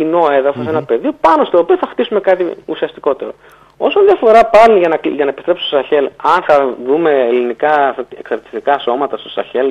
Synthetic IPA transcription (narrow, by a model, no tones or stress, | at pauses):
ino̞eðɐfosenɐpe̞ðio̞pɐno̞st̪oːpioθɐxt̪isume̞kɐt̪iusiɐst̪iko̞t̪e̞ɾo̞̰ | o̞sɐnðijɐfo̞ɾɐpɐlinʝɐnɐʝɐnɐepist̪ɾe̞psi̥st̪osɐçe̞lɐnθɐðume̞ːlinikɐeksɐɾt̪i̥st̪ikɐso̞mɐt̪ɐst̪o̞sɐ̰çe̞l